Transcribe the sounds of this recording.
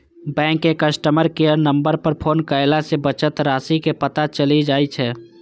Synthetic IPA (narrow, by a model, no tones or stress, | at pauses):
bɛ̃ːŋkːekəsʈəməɾkeəɾnə̃mbəɾpəɾpʰoːnkəɪlasebət͡ʃət̪ɾaːsikepət̪at͡ʃəlid͡ʒaːit͡ʃʰɛː